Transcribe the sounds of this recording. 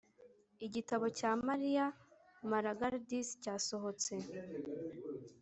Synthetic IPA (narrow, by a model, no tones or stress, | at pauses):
iɟitaβo̞caːmaɾija | maɾaɡaɾdiscaːso̞ɦo̞t͡se̞